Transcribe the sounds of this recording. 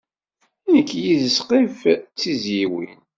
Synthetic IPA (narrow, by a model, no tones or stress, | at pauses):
ænəkːjizəsqift͡sːizjiwḭn